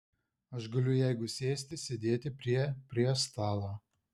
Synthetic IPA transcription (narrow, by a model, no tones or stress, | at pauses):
ɐʃɡɐlʲʊjæɪɡʊsʲeːsʲt̪ʲɪsʲed̪ʲeːt̪ʲɪpʲɾʲiɛpʲɾʲiɛst̪ɑːlˠoː